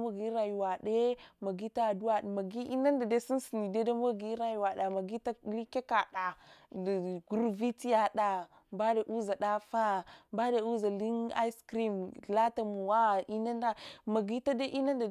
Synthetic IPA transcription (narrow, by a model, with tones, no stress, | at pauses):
ma˦ɡi˦ɾa˨ju˨wa˨ɗe˦ma˨ɡi˦ta˦˨du˦wa˨ma˨ɡi˦ʔi˦na˦nda˨de˦si˦n˦si˨ni˨de˦da˦m˦a˦ɡi˦ɾa˦ju˨wa˨ɗa˨ma˨ɡi˦ta˦li˦ke˦ka˨ɗa˨ | ɡu˦ɾvi˦ti˦ja˨ɗa˨ | mba˦de˨ʔu˦za˨ɗa˦fa˦mba˦de˨u˦za˨li˦ŋa̰˦i˦skɾi˦m˨la˦ta˨mu˨wa˦i˦na˦nda˦ma˨ɡi˦ta˦de˦ʔi˦na˦nda˨